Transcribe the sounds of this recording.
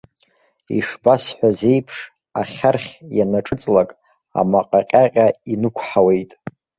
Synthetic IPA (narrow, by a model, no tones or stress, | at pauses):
ḭʂbasħʷᶣaze̞jpʰʂ | aχʲarχʲjanaʈ͡ʂʼɨt͡sʼlakʼ | a̰maqʼaqʲʼaqʲʼainɨkʷʰħawe̞jtʼ